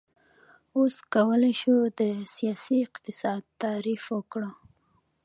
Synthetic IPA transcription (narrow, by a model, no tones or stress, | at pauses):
oskawəlajʃud̪əsijɑsiɪqt̪ɪsɑd̪̚t̪ɑɾifwəkɽə